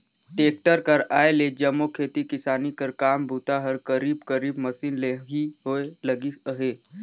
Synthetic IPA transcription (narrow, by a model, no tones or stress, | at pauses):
ʈeːk̚ʈəɾkəɾaːeled͡ʒɐmːokʰeːt̪ikɪsaːnikəɾkaːmbʱut̪aɦəɾkəɾiːbkəɾiːbməsiːnleːɦɦiɦoeləɡiəɦeː